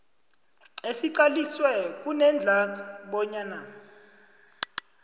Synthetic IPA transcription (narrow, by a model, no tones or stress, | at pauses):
esiǀaliswɛk̬ʼunɛnd͡ɮʱak̬ɔɓɔɲana